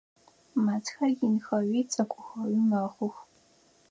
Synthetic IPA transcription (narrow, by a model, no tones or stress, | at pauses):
matʰxɐjɪnxɐɥʷiːt͡sʼɐkʷʼʊxɐwimaχʷʊx